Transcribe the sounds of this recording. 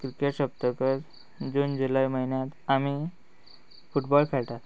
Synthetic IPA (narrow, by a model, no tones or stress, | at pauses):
kɾikeʈɕəp̚t̪əkəɾ | d͡zond͡ʑulajməɦinjat̪ami | fuʈbɔlkʰaɭʈ̪at̪